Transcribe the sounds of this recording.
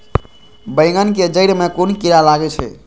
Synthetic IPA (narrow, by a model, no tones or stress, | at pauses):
bəɪŋɡənked͡ʒəɪɾmekonkiɾalaɡɛt͡ʃʰɛ̰